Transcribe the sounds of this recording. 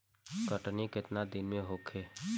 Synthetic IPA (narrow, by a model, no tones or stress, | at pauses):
kəʈnikɪt̪nad̪ɪnmẽɦokʰeː